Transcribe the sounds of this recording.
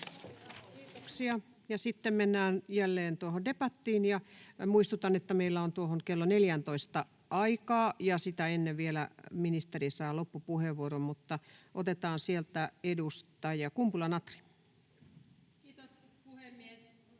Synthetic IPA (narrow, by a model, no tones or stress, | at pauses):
kiːt̪oksiɑ | jɑsit̪ːemmenːæːnjælːeːnt̪uohondepæt̪ːiːnjɑmuist̪ut̪ɑnet̪ːæmeilːæont̪uohonkelːoneljænt̪oist̪ɑ | ʔɑikɑːjɑsit̪æenːeʋʋielæ̰minist̪erisɑjːlopːupuheʋʋuorommut̪ːɑʔot̪et̪ɑːnsielt̪æedust̪ɑjɑkumpulɑnɑt̪ri̥ | t̪s | uhemːies